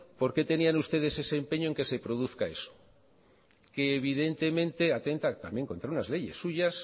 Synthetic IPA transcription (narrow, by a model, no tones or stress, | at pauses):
po̞ɾke̞t̪e̞nianust̪e̞ð̞e̞se̞se̞ːmpeɲoeŋke̞se̞pɾo̞ð̞uθkae̞so̥ | ke̞ːβ̞ið̞e̞nt̪e̞mẽ̞nt̪e̞at̪e̞nt̪at̪ambje̞ŋko̞nt̪ɾaunazle̞ʝe̞sːuʝas